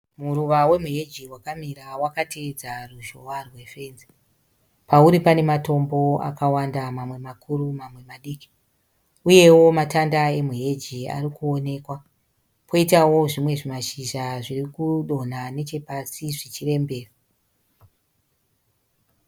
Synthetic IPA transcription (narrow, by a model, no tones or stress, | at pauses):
muruʋawe̞muɦe̞d͡ʒiwakamiɾawakatʰed͡zaruʒo̞warwe̞fe̞ːnze | pauɾipane̞mato̞mbo̞a̰kawandamamwe̞makʰuɾumamwe̞maɗiːki̥ | uje̞wo̞matandae̞muɦe̞d͡ʒia̰ɾikuo̞ne̞kwa | pʰo̞itawo̞ʐimwe̞ʐimaʃiʒaʐirikuɗo̞n̤ane̞t͡ʃe̞pasiʐit͡ʃire̞mbe̞ːra